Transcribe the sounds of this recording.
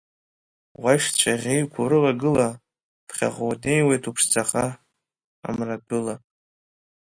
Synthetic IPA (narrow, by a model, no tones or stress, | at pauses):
wajʃt͡ɕʷʰʼaʁʲejkʷʰuɾɨlaɡɨla | pʰχʲa̰ʁowde̞jwejtʰupʰʂd͡zʰaχa | a̰mradɨla